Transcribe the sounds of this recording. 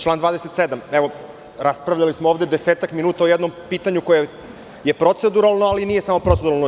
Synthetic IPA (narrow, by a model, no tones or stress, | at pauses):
t͡ʃlˠaːnd̪vaːd̪eset̪sed̪ameʋo̞ | ɾaspɾaʋvʎalismooːʋd̪ed̪eseːt̪akminuːt̪aojɛd̪no̞mpiːt̪aɲuko̞je | je̞pɾo̞t̪sed̪uɾalˠnoalinije̞samo̞pɾot̪sed̪uɾalˠno